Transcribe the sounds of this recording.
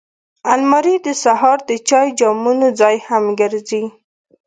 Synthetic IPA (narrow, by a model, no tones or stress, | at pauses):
almɑɾid̪əsaɦɑɾd̪ət͡ʃɑjd͡ʒɑmunod͡zɑjhamɡəɾzi